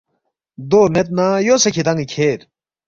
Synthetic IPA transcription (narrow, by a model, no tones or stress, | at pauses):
d̪oːmet̪̚najoːsɐkʰit̪ɐŋɡikʰeːɾ